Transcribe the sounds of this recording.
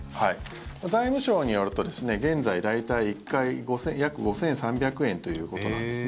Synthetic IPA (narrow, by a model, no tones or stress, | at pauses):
hai | mazaimɯ̟ɕo̞ːɲ̟ijo̞ɾɯ̟t̪o̞d̪e̞sɨne̞ɡẽ̞nd͡zaid̪ait̪aiːkːaiɡo̞sẽ̞jakɯ̟ɡo̞sẽ̞ɰ̃sãmbʲakɯ̟ẽ̞nt̪o̞jɯ̟ːko̞tt̪o̞nã̰nd̪eɨ